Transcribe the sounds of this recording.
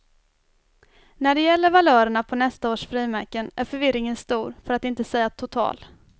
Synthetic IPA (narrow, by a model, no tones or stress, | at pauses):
næɖɛjɛlːəɾvalœːɾəɳapʰɔnɛst̪aoːʂfɾiːmæɾkənæɾfœɾvɪɾɪŋənst̪uːɾfœɾat̪ɪnt̪əsɛjːat̪ʰʊt̪ʰɑ̰ːl